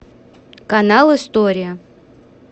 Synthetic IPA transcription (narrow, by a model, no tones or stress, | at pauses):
kɐnalˠɨst̪oɾʲɪjə